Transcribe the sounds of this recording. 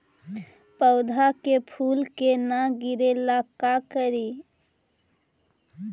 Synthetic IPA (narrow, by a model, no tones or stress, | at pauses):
pəʊd̪ʱakepʰulkenaɡiɾelakakəɾi